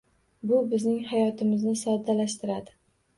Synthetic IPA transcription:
bʊbɪznɪŋhajɒt̪ʰɪmɪznɪsɒd̪alaʃt̪ɪɾad̪ɪ

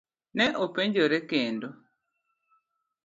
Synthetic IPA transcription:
nɛʔɔpɛɲɟɔɾɛkendɔ

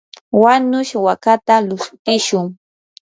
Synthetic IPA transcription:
wanʊʃwakat̪alʊstɪʃʊŋ

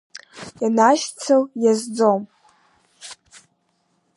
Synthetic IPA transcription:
janaʃt͡sʰawjazd͡zom

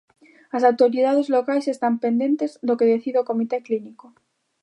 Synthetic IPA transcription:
ɐs̬awt̪oɾiðaðezlokajsest̪ampend̪ẽnt̪ezðokeðeθiðeokomit̪ekliniko

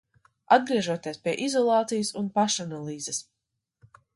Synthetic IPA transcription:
ad̪̚ɡɾiɛʒuɔt̪iɛspʲiɛʔizɔlˠɑːt̪sijasunpaʃanalˠiːzɛs

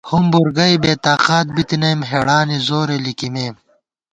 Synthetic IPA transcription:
humbuɾɡɐjbeːt̪aːqaːt̪̚bit̪inɐjmɦeɽaːnizoːɾelikimeːm

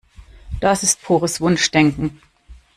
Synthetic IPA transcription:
d̥asɪstfoːʁəsv̥ʊnʃd̥ɛŋkŋ̩

